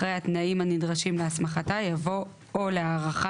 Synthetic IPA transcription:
ʁejhat̪naimhanidʁaʃimleasmaχatajavo̞ | oleaːʁaχa

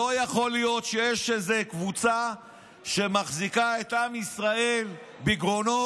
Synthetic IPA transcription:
ojaχo̞lijo̞t̪ʃejeʃezekvut͡sa | ʃe̞maχzikae̞t̪ʔamisʁae̞l | biɡʁo̞no

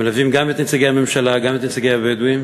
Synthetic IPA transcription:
elavimɡamet̪nit͡saɡeame̞mʃalaɡamet̪nit͡saɡejabejed̪uim

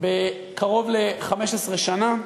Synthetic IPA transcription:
be | kʰaʁo̞vleχameʃesʁeʃana

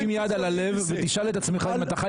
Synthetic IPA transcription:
imjaːd̪alale̞vːet̪iʃale̞t̪at͡smeχamat̪aχa

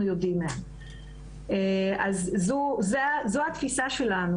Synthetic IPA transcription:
ujodimean | eazzuzezoat̪fisaʃe̞lanu

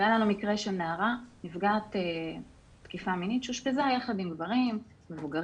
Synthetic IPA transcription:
jalanumikʁeʃelnaːʁanifɡaːte | tkifaminitʃuʃpezajaχad̪imɡvaʁim | me̞vuɡaʁ

